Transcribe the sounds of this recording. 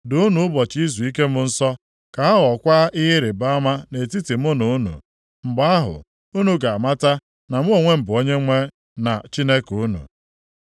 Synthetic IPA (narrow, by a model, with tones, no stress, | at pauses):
dʊ˨˦nu˨ʊ˦bɔ˨t͡ʃi˦zu˨i˦ke˦mʊ˦n̩˦sɔ˦ | ka˨a˦ɦɔ˨kʷa˦ʔɪ˦ɦɪ˦ɾɪ˨ba˦a˦ma˦ne˨ti˦ti˨m̩˦ʊ˦nu˨u˦nṵ˨ | m̩˨ɡ͡ba˦a˦ɦʊ̰˨ | u˦nu˨ɡa˨a˨ma˦ta˦ | na˨mʊ˦o˨ŋʷe˦m̩˨bʊ˨o˦ɲe˦ŋʷe˦ | na̰˨t͡ʃi˦ne˦ku˦nṵ˨